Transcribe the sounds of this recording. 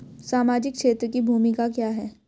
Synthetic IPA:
saːmaːd͡ʒɪk̚kʃʰeːt̪ɾəkibʱuːmikakjaːɦɛː

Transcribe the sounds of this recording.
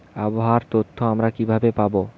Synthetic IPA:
aboɦaɾt̪ot̪ʰːoamɾakibʱabepabo

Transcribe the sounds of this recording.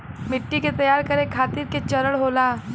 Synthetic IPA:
miʈːiket̪əjaɾkəɾekʰat̪iːɾket͡ɕəɾəɭɦola

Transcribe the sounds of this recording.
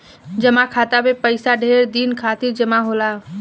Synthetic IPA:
d͡ʒəmakʰat̪abepəɪsaɖʱeɾd̪inkʰat̪iɾd͡ʒəmaɦola

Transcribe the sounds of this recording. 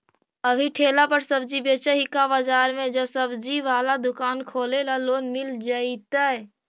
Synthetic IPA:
əbʱiʈʰeːlapəɾsəb̚d͡ʒibeːt͡ʃəɦikabəd͡ʒaːɾmẽd͡ʒəsəbd͡ʒiʋaːlad̪ʊkaːnkʰoːlelaloːnmɪld͡ʒaːit̪a

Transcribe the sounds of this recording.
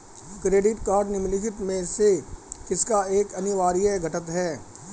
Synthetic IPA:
kɾeːɖɪʈkaːɾɖnɪmlid͡ʒɪt̪mẽsekɪskaeːkɐnɪʋaːɾijeɡʱɐʈət̪ɦɛː

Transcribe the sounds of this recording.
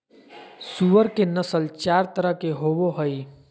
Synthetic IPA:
suʋəɾkenəsəlt͡ʃaːɾt̪əɾəɦkeɦoːwoɦəi

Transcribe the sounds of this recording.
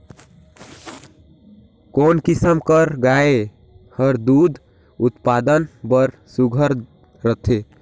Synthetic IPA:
konkisəmkəɾɡae | həɾd̪ud̪ | ut̪pad̪ənbəɾ | suɡʱəɾ | ɾət̪ʰe

